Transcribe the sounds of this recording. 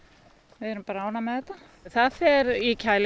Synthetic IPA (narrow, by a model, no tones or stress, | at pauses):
ʋɪðɛɾʏmpaːɾaaːwnamɛðɛt̪ːa | θaðfɛɾicʰaːjl